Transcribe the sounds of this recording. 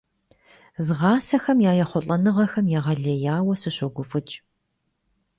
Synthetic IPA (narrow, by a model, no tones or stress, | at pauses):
zɨʁɑːsɐxɐmjaːjɐχʷɔɬʼɐnɨʁɐxɐmjaːʁɐɮɐjaːwɐsɨɕɔɡʷʊfɨt͡ʃʼ